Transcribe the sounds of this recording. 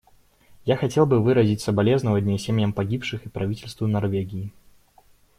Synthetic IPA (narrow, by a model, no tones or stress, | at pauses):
jaxɐtʲe̞lˠbɨvɨɾəzʲɪtʲsəbɐlʲe̞znəvɐdʲnʲesʲemʲjəmpɐɡʲipʂɨxɨpɾɐvʲitʲɪlʲst̪vʊnɐrvʲeɡʲɪː